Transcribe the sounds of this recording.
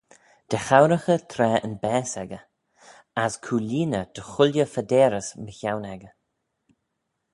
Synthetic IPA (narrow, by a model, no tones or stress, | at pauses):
d̪̥ɛxawɾəxət̪ʰɾɛːə̰nbɛːsɛɡə | askʰuːliːnəd̪̥əxʊlʲjəfədɛːɾəsməçawnɛɡə